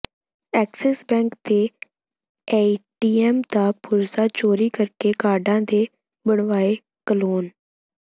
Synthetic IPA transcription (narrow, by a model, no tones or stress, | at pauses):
ɛːksɛsbɛ̃ːŋkt̪eː | eːʈiːɛːmd̪aːpʊɾsaːt͡ʃoːɾiːkəɾkeːkaːɾɖãːd̪eː | bəɳʋaːeː | kəloːn